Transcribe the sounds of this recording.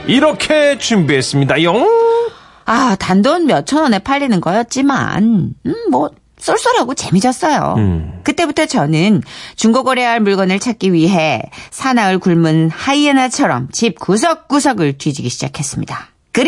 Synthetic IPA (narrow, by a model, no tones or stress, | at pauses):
iɾʌkʰe̞t͡ɕumbiɦes͈ɯmɲidajʌŋ | atandonmjʌt͡ɕʰʌnwʌne̞pʰaʎːinɯnɡʌjʌt̚t͡ɕ͈ima̰nmwʌ | s͈oɭs͈ɯɾaɡot͡ɕe̞mid͡ʑʌs͈ʌjo̰kɯt͈e̞butʰʌt͡ɕʌnɯnt͡ɕuŋɡoɡoɾeɦaɭmuɭɡʌnɯɭt͡ɕʰak͈̚iɥiɦe̞sʰanaŋɯɭkuɭmɯnhaienat͡ɕʰʌɾʌmt͡ɕip̚kus̬ʰʌk̚k͈usʰʌɡɯɭtwid͡ʑiɡiɕʰid͡ʑa̰kʰes͈ɯmɲḭda | kɯɾ